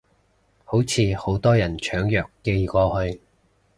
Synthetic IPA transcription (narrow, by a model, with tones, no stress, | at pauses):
ho˨˥wt͡sʰiː˨˧ho˨˥wt̪ɔː˥jɐ˨˩nt͡ʃʰœː˨˥ŋjœː˨˩kːe˧jkɔː˧hɵ˧ɥ